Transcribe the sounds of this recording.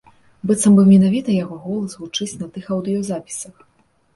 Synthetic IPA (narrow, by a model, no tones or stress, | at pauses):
bɨt̪sɐmbɨwmʲɛnavʲit̪ɐjaɣɔɣɔlˠɐsɣut͡ʂɨt͡sʲnɐt̪ɨxɐwd̪ɨjɔzapʲi̥sɐx